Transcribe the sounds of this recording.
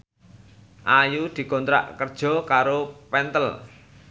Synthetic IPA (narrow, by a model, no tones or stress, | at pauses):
ʔajud̪̥i̤kɔnt̪ɾa̰ʔkərd̥ʒ̥ɔ̤kaɾopɛnt̪əl